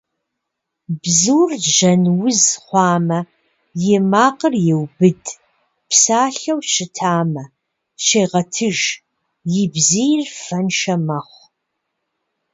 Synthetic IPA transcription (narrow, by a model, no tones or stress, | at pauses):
bzɨːrʒɐnwʊzχʷɑːmɐ | jɪmaːqərjɛwbɨd | psaːɬɐwʃɪtʰaːmɐ | ʃeːʁɐtʰɨʒ | jɪbzijrfɐnʃɐmɐχʷ